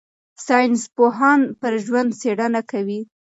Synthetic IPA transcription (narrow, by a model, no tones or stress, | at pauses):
sɑjnspoɦɑnpəɾʒwand̪seɽanakawi